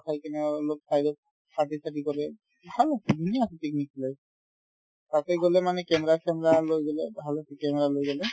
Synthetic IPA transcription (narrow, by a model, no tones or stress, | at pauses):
kʰajkɛnɛɔlok̚sʰajdɔk̚ | patisatikɔlɛ | bʱalasɛd̪ʱuniasɛtek̚niklɛ | takɛjɡolɛmanɛkɛmɛɹakɛmɛɹalojɡɔlɛbʱalasɛkɛmɛɹalojɡɔlɛ